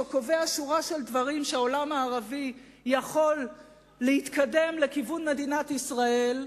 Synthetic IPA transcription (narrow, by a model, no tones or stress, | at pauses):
oko̞ve̞aʃuʁaʃeld̪vaʁimʃeao̞lamaːʁavi | jaχo̞lː | ehit̪kade̞mle̞kivunme̞d̪inat̪isʁae̞l